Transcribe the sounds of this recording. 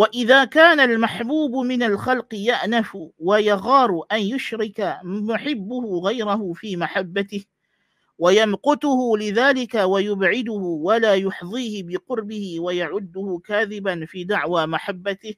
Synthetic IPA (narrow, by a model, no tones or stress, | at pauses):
waʔɪðaːkaːnalmaħbuːbʊmɪnalxɑlqɨjaʔnafʊwajaɣɑːɾˤʔanjʊʃɾɪkamʊħɪbːʊhʊɣajɾaɦʊfiːmaħabːat̪ɪh | wajamqʊt̪ʊhʊlɪðaːlɪkawajʊbʕɪd̪ʊhʊwalaːjʊħðˤiːhɪbɪqʊɾbɪhɪwajaʕʊd̪ːʊhʊkaːðɪbanfiːd̪aʕwaːmaħabːat̪ɪh